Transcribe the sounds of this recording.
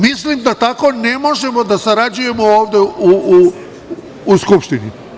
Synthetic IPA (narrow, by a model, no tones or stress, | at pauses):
mislimd̪at̪ako̞ne̞mo̞ʒe̞mo̞d̪asaɾad͡ʒuje̞mo̞oːʋd̪e̞uuː | skupʃt̪ini